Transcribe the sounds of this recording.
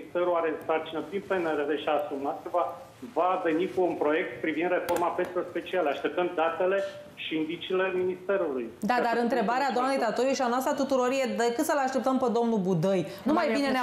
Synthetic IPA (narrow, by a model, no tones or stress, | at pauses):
ist̪eɾuaɾesart͡ʃinəpɾinpeneɾeɾeʃiaːsumat̪̚əva | vave̞nikuunpɾo̞je̞k̚t̪pɾivind̪re̞fo̞rmapensiorspe̞t͡ʃialaʃt̪e̞p̚t̪əmd̪at̪e̞le̞ | ʃiind̪it͡ʃile̞minist̪e̞ɾulujd̪ad̪aɾɨnt̪ɾe̞baɾead̪oamne̞jt̪at̪ojuʃianoast̪ɾat̪ut̪uɾo̞ɾje̞d̪əkɨt̪səlaʃt̪e̞p̚t̪əmped̪o̞mnubud̪əjnumajbinene